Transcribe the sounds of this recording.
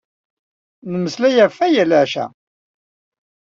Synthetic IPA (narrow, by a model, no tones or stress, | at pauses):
nəməslæjæfæjælaʕʃæ̰